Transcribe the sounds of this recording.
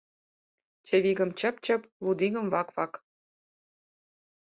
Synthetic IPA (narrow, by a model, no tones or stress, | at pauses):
t͡ɕə̆βiɣə̆mt͡ɕə̆pt͡ɕə̆plud̪iɣə̆mvɑkvɑk